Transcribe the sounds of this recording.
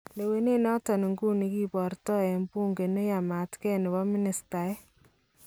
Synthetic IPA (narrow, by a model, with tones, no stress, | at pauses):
le˨we˦ne˦nɔ˦tɔ˨ni˨ŋɡu˦ni˨˦ki˦pɔ˨rtɔ˦ɛ˨mpu˦ŋɡe˨ne˦ja˨ma˨tkɛ˦nɪ˨bɔ˦mɪ˦nɪ˨sta˨ɛ˦